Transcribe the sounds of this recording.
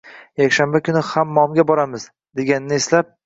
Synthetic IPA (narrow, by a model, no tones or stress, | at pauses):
jakʲʃambakʰʲʊnɪhamːɒmɡʲabɒɾamɪz | d̪e̞ɡʲanɪnɪeslap̚